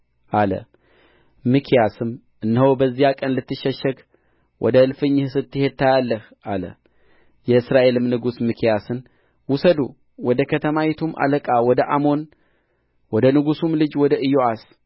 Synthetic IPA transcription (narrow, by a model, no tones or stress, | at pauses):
ʔalə̰ | mɨkʰijasɨm | ʔɨnːhobəzːijakʼənlɨt̪ːɨʃːəʃːəɡ | wʔɔ̰d̪əɨlfɨɲːhsɨt̪ːɨhe̞d̪̚t̪ʰajalːəh | ʔalə̰ | jɛɨsɾaʔe̞lɨmnɨɡusmɨkʰijasɨn | wʊsəd̪u | wɔd̪əkʰət̪ʰəmawɛt̪ʰumʔa̰ləkʼawɔd̪əʔamo̞n | wɔd̪ənɨɡusumlɨd͡ʒwɔd̪əʔɨjoʔas